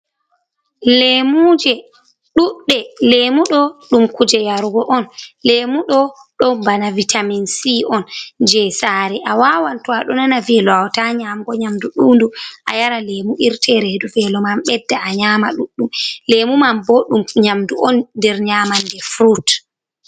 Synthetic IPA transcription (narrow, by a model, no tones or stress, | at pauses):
lemud͡ʒɛ | ɗuɗːɛlemuɗɔɗumkud͡ʒɛjaɾɡɔʔɔnlemuɗɔɗɔmbanavitʰaminsiʔɔnd͡ʒɛsaːɾɛʔawawantɔaɗɔnanavɛlɔawtaɲamɡɔɲamduɗunduʔajaɾalemuʔiɾtʰɛɾeduvɛlɔmamɓɛdːaaɲaːmaɗuɗːumlemumambɔɗumɲamduʔɔndɛɾɲaːmandɛfɾut